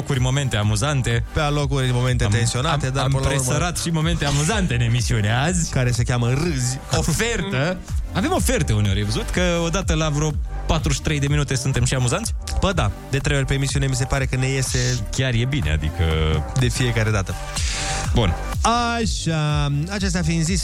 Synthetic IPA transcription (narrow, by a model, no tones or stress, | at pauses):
okurʲmo̞me̞nt̪eamuzant̪e̞pealo̞kurʲmo̞me̞nt̪et̪ensio̞nat̪ed̪ampɾesəɾat̪ʃimo̞me̞nt̪eamuzant̪e̞ne̞misio̞neazʲkaɾe̞sekʲamərɨzʲ | o̞fe̞rt̪əave̞mo̞fe̞rt̪əuneoɾʲjevəzut̪kəo̞d̪at̪əlavɾopat̪ɾuʃi̥t̪ɾe̞jd̪e̞minut̪e̞sunt̪e̞mʃiamuzant̪sʲb̥əd̪ad̪e̞t̪ɾe̞jorʲpe̞ːmisiune̞mis̬e̞paɾe̞kəne̞je̞se̞kʲarje̞bine̞̰a̰d̪ḭkə̰d̪e̞fije̞kaɾe̞d̪at̪ə | bunaʃaat͡ʃest̪eafiːnzis